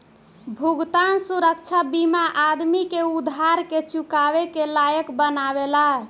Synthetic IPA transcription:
bʱuɡt̪ansuɾək̚t͡ʃʰabimaʔad̪mikeud̪ʱaɾket͡ʃukaβekelajəkbənabela

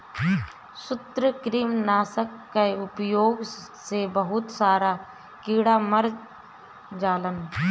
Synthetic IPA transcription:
sʊt̪ɾəkɾiːmnaːsəkːəeʊpjoːɡsebəɦʊt̪saːɾa | kiːɽaməɾ | d͡ʒaːlən

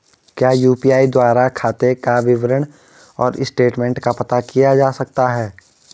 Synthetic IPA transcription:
kjaːjuːpiaːid̪waːɾakʰaːt̪ekaʋɪʋəɾəɽ̃ | ɔːɾɪsʈeːʈmẽːɳʈkapɐt̪akijad͡ʒaːsɐk̚t̪aɦɛː

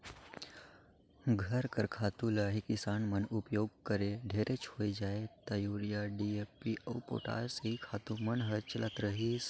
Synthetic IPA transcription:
ɡʱəɾkəɾkʰaːt̪ũlaɦikisaːnmənupjoːɡ̚kəɾeɖʱeɾʔet͡ʃʰhoːjd͡ʒaːet̪ajuɾjaɖiepiʔəwpo̰ʈa̰ːseikʰaːt̪umənɦəɾt͡ʃəlʔat̪ɾəɦis

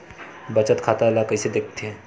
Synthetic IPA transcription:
bət͡ʃət̪kʰat̪alakəjsed̪ekʰt̪ʰɦe

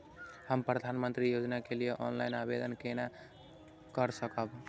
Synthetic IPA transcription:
həmpɾəd̪ʱanmənt̪ɾijod͡ʒnakelijeʔɔnlajnabed̪ənkena | kəɾsəkəb

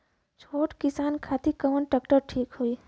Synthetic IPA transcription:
t͡ʃʰoːʈkɪsaːnkʰaːt̪ikəmənʈakʈəɾʈʰiːkɦoiː

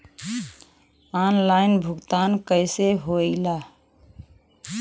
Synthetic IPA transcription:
aːnlaːɪnbʱʊɡt̪aːnkəɪseɦoːilaː

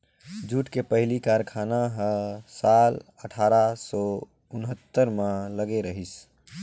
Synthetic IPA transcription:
d͡ʒuʈkepəɦlikaɾkʰanaɦə̃saləʈʰaɾasɔ | unɦət̪ːəɾmãləɡeɾəɦis

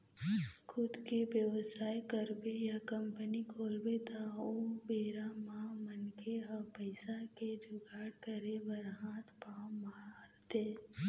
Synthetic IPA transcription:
kʰʊd̪kebjəʋsaːjkəɾbejakəmpənikʰoːlbet̪aoːbeːɾamãmənkʰeapəɪsaked͡ʒʊɡaːɽkəɾebəɾɦãːt̪paːmaːɾt̪eː

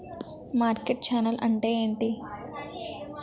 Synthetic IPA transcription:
maːɾkeʈ̚t͡ʃaːnɐlʔɐɳʈeːeːɳʈi

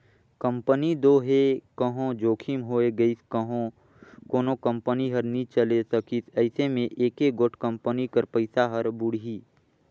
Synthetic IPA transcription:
kə̃mpənid̪oːɦekəɦõd͡ʒoːkʰimɦoːeɡəisɦo | koːnokə̃mpəniɦɐɾnĩt͡ʃəlesəkisʰɛɪsemẽʔeːkeɡoʈʰkə̃mpənikəɾpəɪsaɦɐɾbʊɽ̤ɦiː

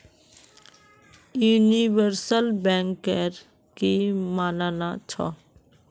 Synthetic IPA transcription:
juːniʋəɾsəlbɛ̃ːŋkəɾ | kimaːnaːnat͡ʃʰɔ̰

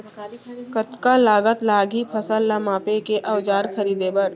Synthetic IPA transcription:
kət̪kalaːɡət̪laːɡʱipʰɐsəlːamaːpekeʔɐʋd͡ʒaːɾkʰɐɾiːd̪ebəɽ

